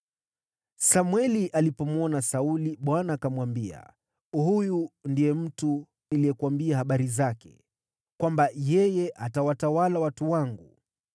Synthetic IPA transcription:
samwɛliʔalipɔmwɔnasauliɓwanaːkamwambia̰ | hujundijɛm̩tu | nilijɛkuwambiahaɓaɾizakɛ̥̰ | kwambajɛjɛʔatawatawalawatuwaŋɡu

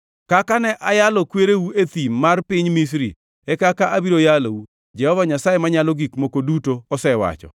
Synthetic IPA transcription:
kakanɛʔajalɔkweɾewuet̪imːarpɪɲmis̬ɾḭ | ɛkakaʔabiɾojalou | d͡ʒɛhɔvaɲasajemaɲalɔɡikmokodutoɔsɛwa̰t͡ʃɔ̰

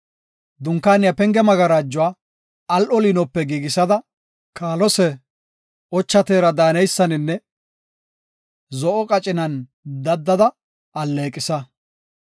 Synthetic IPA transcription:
d̪ʊŋkːaːnɪjɐpɛŋɡɛmɐɡɐɾaːd͡ʒːʊwaː | ɐlʔɔlinɔpːɛɡiːɡɪsɐd̪ɐ | kʰaːlɔsɛ | ɔt͡ʃːɐt̪eːɾɐd̪aːnɛjsːɐnɪnːɛ | zɔʔɔkʼɐt͡ʃʼɪnɐn | d̪ɐd̪ːɐd̪ɐ | ɐlːeːkʼɪsɐ

